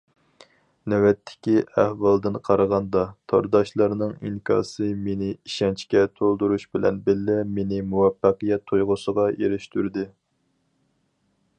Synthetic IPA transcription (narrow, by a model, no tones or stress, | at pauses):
nɛwɛt̪ʰːɪ̥kʲiʔæhwɑlˠd̪ɨnqʰɑɾəʁɑnd̪ɑt̪ʰɑɾd̪ɑʃlˠɑɾnɨŋḭŋkʰɑ̰ːsɨmenɪiʃɛnt͡ʃʰkʲɛt̪ʰolˠd̪uɾuʃbɪlɛ̰nbɪlːɪmenɪmuwɛpːɑqɨjɛt̪ʰːojʁʊsəʁɑjeɾɪʃt̪yɾd̪ɪ